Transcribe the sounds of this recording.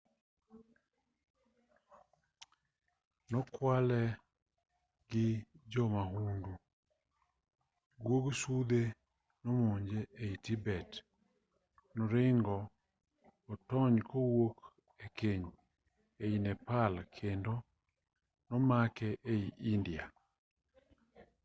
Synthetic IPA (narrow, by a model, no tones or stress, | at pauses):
nɔkwalɛ | ɡɪd͡ʒɔmaɦundu | ɡwoɡsud̪e | nɔmoɲd͡ʒeʔeitibɛt | nɔɾɪŋɡɔː | tɔɲkowok | ekeɲ | einɛpalkʰendo | nɔmakɛʔeiʔindia